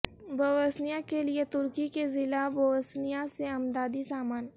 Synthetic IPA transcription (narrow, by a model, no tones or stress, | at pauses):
bɐʋəsnijakeliet̪ʊɾkikezɪlabɐʋəsnijaseɐmd̪aːd̪isaːmaːn